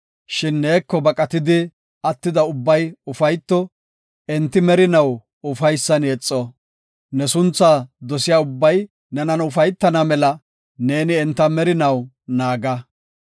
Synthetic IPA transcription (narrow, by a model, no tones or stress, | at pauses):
ʃɪnːe̞ːkːɔbɐkʼɐt̪ɪd̪ɪ | ɐt̪ːɪd̪ɐʊbːɐjʊfɐjt̪ːɔ | ɛnt̪ːɪmɛɾɪnɐw | ʊfɐjsːɐnjɛt͡sʼːɔ | nɛsʊnt͡sːad̪ɔsɪjaːʊbːɐj | nɛnɐnʊfɐjt̪ːɐnɐmɛlɐ | ne̞ːnɪɛnt̪ːɐmɛɾɪnɐw | naːɡɐ